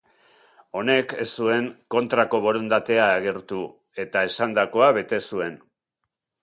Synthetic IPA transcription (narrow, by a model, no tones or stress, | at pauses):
o̞ne̞ke̞stue̞ŋko̞nt̪ɾako̞βo̞ɾond̪at̪e̞aːɣe̞ɾt̪u | e̞t̪ae̞sand̪ako̞aβe̞t̪e̞sue̞n